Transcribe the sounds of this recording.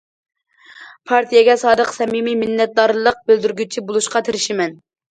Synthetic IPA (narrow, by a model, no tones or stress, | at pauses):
pʰɑɾt̪ʰijɛɡʲɛsɑːd̪əqsɛmimimɪnːɛt̪̚d̪ɑɾlˠəq̚bøld̪yɾɡʲyt͡ʃʰibolˠuʃqɑt̪ʰeɾɪʃimɛn